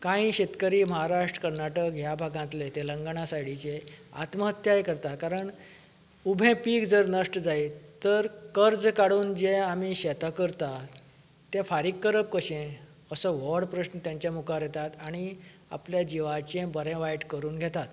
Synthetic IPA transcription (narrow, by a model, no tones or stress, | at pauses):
kãĩɕet̪kəɾiːməɦaɾaʂʈɾə̥kəɾnaʈəkɦjabʱaɡãnt̪let̪eləŋɡɳasajɽit͡ɕẽa̰t̪məɦət̪jajkəɾt̪akaɾəɳ | ubʱẽpiːkd͡zəɾnəʂʈəd͡zait̪əɾkəɾd͡zkaɽuːnd͡ʑẽamiɕɛt̪akəɾt̪a | t̪ɛ̃faɾiːkːəɾəp̚kəɕẽ | əsəʋəɾɽpɾəɕnət̪jãɲt͡ɕjamukaɾjɛt̪at̪aɽ̃i | a̰pljad͡ʑiʋat͡ɕẽbəɾɛ̃ʋajʈkəɾuːnɡʱɛt̪at̪